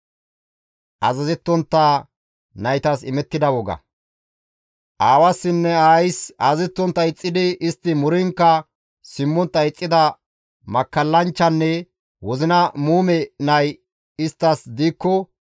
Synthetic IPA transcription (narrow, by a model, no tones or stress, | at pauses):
ʔɐzɐzɛt̪ːɔnt̪ːaː | nɐjt̪ɐsɪmɛt̪ːɪd̪ɐwɔɡɐ̰ | ʔaːwɐsːɪnːɛaːjsaːzɛt̪ːɔnt̪ːɐɪt͡sʼːɪd̪ɪɪst̪ːɪmʊɾɪŋkːɐ | sɪmːɔnt̪ːɐɪt͡sʼːɪd̪ɐ | mɐkːɐlːɐnt͡ʃːɐnːɛ | wɔzɪnɐmuːmɛnɐj | ɪst̪ːɐsd̪iːkːɔ